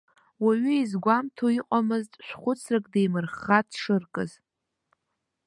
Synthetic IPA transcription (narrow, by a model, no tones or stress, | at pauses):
waɥʏizɡʷamtʰoiqʼamɨztʼʃᶣʷχʷʊt͡sʰrakʼdejmɨrχatʰʂɨrkʼɨz̥